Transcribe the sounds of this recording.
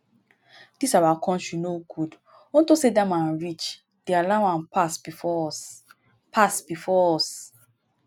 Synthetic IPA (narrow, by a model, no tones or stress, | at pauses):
d̥isawaakʰɔ̃nʃunoɡud | õntosedãmãnɹit͡ʃ | d̥ealaãnpasbifɔɔs | pʰasbifɔɔs